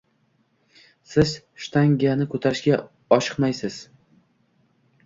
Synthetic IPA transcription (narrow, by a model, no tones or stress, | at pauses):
sɪz̥ | ʃt̪ʰaŋɡʲijanɪkʰɵt̪ʰaɾɪʃɡʲa | ɒʃɨ̥qmajsɪz̥